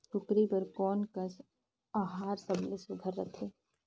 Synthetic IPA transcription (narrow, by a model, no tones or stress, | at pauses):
kʊkɾipɐɾkɔːnkɐs | aːɦaːɾsɐblɪsɪɡʱəɾːɐt̪ʰeː